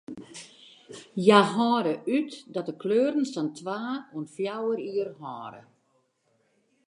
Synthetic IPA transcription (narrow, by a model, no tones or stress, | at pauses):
jaɦɔːɾəʔytdɔt̚dəkløːrən̩sɔntʰʋaːuənfjawəɾiərɦɔːɾə̰